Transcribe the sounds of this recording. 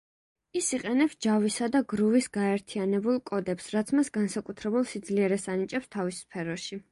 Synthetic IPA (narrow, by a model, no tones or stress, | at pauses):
isiqʼɛnɛpsd͡ʒavisad̪aɡɾuvisɡaɛɾt̪ʰianɛbulˠkʼɔd̪ɛpsɾat̪sʰmasɡansakʼut̪ʰɾɛbulˠsid̪zliɛɾɛsanit͡ʃʼɛpst̪ʰavisːpʰɛɾɔʃi